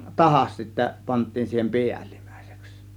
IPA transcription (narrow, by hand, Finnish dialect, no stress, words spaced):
tɑhɑs sitːæ pɑntˑiːn siːhem piæli̥m̥ˑæ̥ˑi̥se̥ks